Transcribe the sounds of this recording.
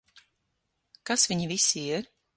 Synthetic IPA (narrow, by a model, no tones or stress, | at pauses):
kasviɲivisʲiiɾ